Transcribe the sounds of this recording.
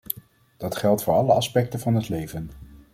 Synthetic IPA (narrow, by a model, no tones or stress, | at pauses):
d̥ɑtχɛlˠtfʊːɹɑləɑspɛk̚tənvɑnɦətlejvən